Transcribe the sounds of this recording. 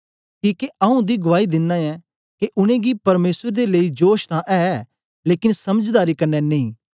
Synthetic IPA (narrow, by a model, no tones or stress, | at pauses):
kiːkeʔɐũd̪iːɡʊʋaːid̪ɪnːãːɛː | keʔʊñẽːɡipɐɾmeːsəɾd̪eləid͡ʒoːʃt̪ãʔɛː | leːkɪnsɐməd͡ʒd̪aːɾikɐɾnɛnɐĩː